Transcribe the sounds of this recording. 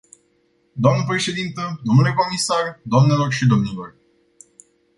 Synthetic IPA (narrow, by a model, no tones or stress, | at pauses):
d̪oamnəpɾe̞ʃe̞d̪int̪əd̪o̞mnule̞ko̞misard̪oamne̞lo̞rʃid̪o̞mnilo̞r